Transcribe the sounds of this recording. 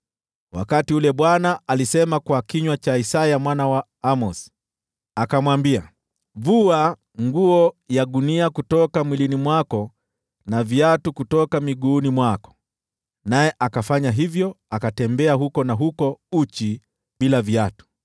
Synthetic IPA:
wa̰katiulɛɓwanaʔalisɛmakwakiɲwat͡ʃaisajamwanawa | amɔs | akamwambia̰ | vua | ŋɡuɔjaɗuniakutɔkamwilinimwakɔ | navjatukutɔkamiɠuːnimwakɔ̥ | najɛʔakafaɲaɦivjɔ | akatɛmbɛaɦukɔnaɦukɔut͡ʃi | ɓilavjatu̥

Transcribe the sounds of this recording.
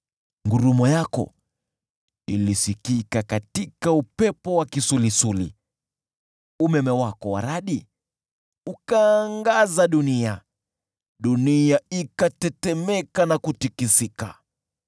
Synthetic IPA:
ŋɡuɾumɔjakɔ̰ | ilisikikakatikaupɛpɔwakisulisulḭ | umɛmɛwakɔwa̰ɾaɗi | ukaːŋɡazaɗunia | ɗuniaikatɛtɛmɛkanakutikisika̰

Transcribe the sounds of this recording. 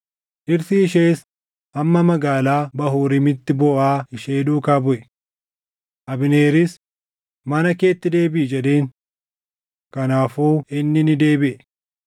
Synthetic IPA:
ʔɪɾsɪɪʃ̬eːs | ʔɐmːɐmɐɡaːlaːbɐɦuːɾɪmɪt̪ːɪbɔʔaːhɪʃeːᶑuːkaːbʊʔɛ | ʔɐbɪne̞ːɾɪs | mɐnɐke̞ːt̪ːɪd̪e̞ːbɪʔɪd͡ʒɛɗe̞ːŋ | kɐnaːfuːɪnːɪnɪd̪e̞ːbɪʔɛ

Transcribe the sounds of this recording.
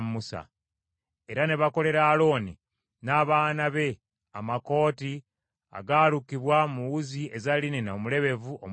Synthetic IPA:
musa̰ | e̞ɾane̞βako̞le̞ɾaːlo̞ːni | naːβaːnaβe̞ | a̰mako̞ːti | a̰ɡaːlukiβwamuwuziʔezalinenomule̞βe̞vuo̰m

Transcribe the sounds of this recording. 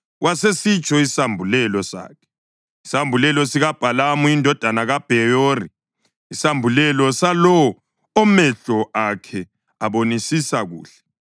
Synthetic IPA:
wʔasesit͡ʃʼɔisambʱulɛlɔsa̰ːkʰɛ̥ | isambʱulɛlɔsiɣab̥ʱalamuindʱɔd̥ʱanaɣab̥ʱɛjoːri | isambʱulɛlɔsalɔː | mɛɬɔʔakʰɛ | aβonisisaɣṵːɬɛ̥

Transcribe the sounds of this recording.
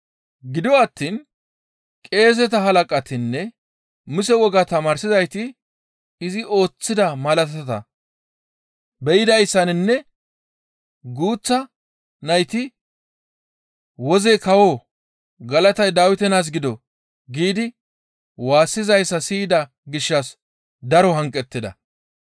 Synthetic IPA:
ɡɪd̪ɪwɐt̪ːiːn | kʼe̞ːs̬ɛt̪ɐɦɐlɐkʼɐt̪ɪnːɛ | mʊs̬ɛwɔɡat̪ɐmaːɾsɪzɐjt̪ɪ | ɪzɪo̞ːt͡sːɪd̪ɐmɐlɐt̪ɐt̪ɐ | bɛjɪd̪ɐjsːɐnɪnːɛ | ɡuːt͡sːɐ | nɐjt̪ɪ | wɔzɛkɐwoː | ɡɐlɐt̪ɐjd̪aːwɪt̪ɛnaːs̬ɡɪd̪ɔ | ɡiːd̪ɪ | waːsːɪzɐjsːɐsiːd̪ɐ | ɡɪʃːɐs | d̪ɐɾɔɦɐŋkʼːɛt̪ːɪd̪ɐ̰

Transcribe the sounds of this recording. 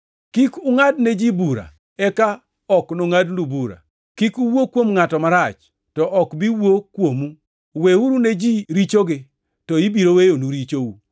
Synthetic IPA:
kikuŋadned͡ʒibuɾa̰ | ɛka | ɔknoŋadnubuɾa̰ | kikuwokwomŋatɔmaɾat͡ʃ | tɔʔɔkbiwokwomu | weuɾuned͡ʒiɾit͡ʃoɡɪ | tɔibiɾowejonuɾit͡ʃou

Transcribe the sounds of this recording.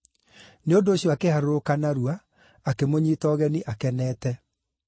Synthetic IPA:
neondoːɕjɔakehaɾookanaɾuaː | kemoɲiːtɔɣɛniʔakɛnɛːtɛ

